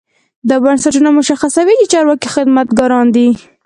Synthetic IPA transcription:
d̪əbansaʈunomʊʃaxasawed͡ʒit͡ʃɑɾwɑkixɪd̪mat̪ɡɑɾɑnd̪i

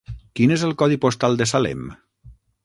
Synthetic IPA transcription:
kinezəlˠkɔðipost̪alˠd̪əsalɛ̰m

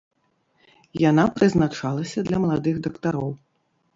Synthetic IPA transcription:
janapɾɨznat͡ʂalˠɐsʲɐd̪lʲɐmlˠad̪ɨɣd̪ɐkt̪aɾɔw

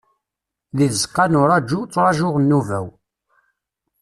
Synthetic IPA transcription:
liðzə̥qːɑnʊɾˤɑd͡ʒːut͡sːɾˤɑʒʊʁnːuvæ̰w

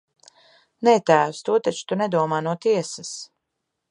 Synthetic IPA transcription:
nɛt̪æːwst̪uɔt̪at͡ʃu̥t̪unɛd̪uɔmaːnuɔt̪iɛsas

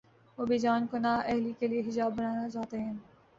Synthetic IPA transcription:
ʋoːbʱid͡ʒaːnkonaɛɦlikelieɦɪd͡ʒaːbːɐnaːnat͡ʃaːɦt̪eɦɛ̃ː

